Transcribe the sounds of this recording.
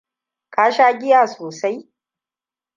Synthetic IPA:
kʼaː˦ʃaː˦ɡʲɪ˦jaː˨soː˨sa˦j

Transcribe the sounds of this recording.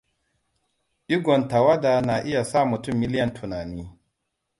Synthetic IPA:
ʔɪ˦ɡʷɔ˨nta˨wa˦da˨na˨ʔɪ˦ja˨saː˦˨mʊ˨tʊ˦˨mːɪ˦lɪ˦jɐ˨ntʰʊ˨naː˨niː˦

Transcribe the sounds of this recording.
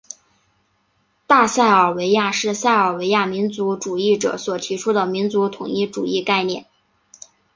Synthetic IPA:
t̪a˥˧sa˥˩ɪə˞˨˩we˧˥ɪja˥˧ʂɻ̩˥˧sa˥˩ɪə˞˨˩we˧˥ɪja˥˩mi˧˥nt͡su˧˥ʈ͡ʂu˨˩i˥˩ʈ͡ʂɤ̰˨˩swɔ˨˩t̪ʰi˧˥ʈ͡ʂʰu˥d̪ə˨mi˧˥nt͡su˧˥t̪ʰʊ˨˩ŋi˥˩ʈ͡ʂṵ˨˩i˥˧ka˥˧ɪnjɛ˥˩n

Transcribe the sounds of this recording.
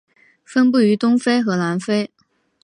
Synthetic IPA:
fə˥npu˥˩y˧˥t̪ʊ˥ŋfe˥ɪxɤ˧˥na˧˥nfe˥ɪ

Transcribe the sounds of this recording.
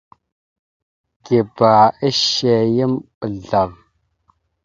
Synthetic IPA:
ɡi˨ba˨i˦ʃe˨jə˦mɓə˨ɮa˨v

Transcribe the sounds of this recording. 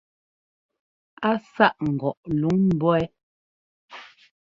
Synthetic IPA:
a˦sa˦ʔŋ̩˨ɡɔ˨ʔlu˨˦ŋm̩˦˨bɔ˦ɛ˦

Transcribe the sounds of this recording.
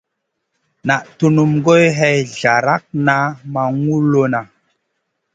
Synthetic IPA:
na˨ʔtu˦nu˨mɡo˦jɦɛ˦jɮa˨ɾa˦k̚na˦ma˨ŋu˦lo˦na˨

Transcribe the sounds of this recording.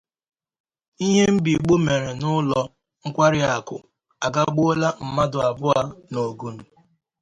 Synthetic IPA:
i˦ɦe˦m̩˦bi˨ɡ͡bo˦me˨ɾe˨nʊ˦lɔ˦ | ŋ̩˦kʷa˦ɾɪ˦a˨kʊ̰˨ | a˨ɡa˦ɡ͡bo˦la˦m̩˨ma˦dʊ˨a˨bʊ˦a˦no˨ɡu˦n̩˨

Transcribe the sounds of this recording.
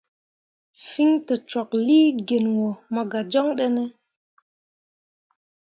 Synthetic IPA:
fi˦ŋtə˨t͡ʃɔ˨k̚liː˦ɡe˨nwo˨mə˨ɡa˨d͡ʒɔ˦ŋɗɛ˦nɛ˦

